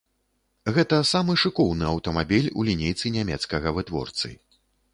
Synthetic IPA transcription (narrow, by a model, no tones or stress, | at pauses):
ɣɛt̪ɐsamɨʂɨkɔwnɨɐwt̪ɐmabʲilʲṵlʲinʲejt̪sɨnʲamʲɛt̪skɐɣɐvɨt̪vɔ̰rt̪sɨ̰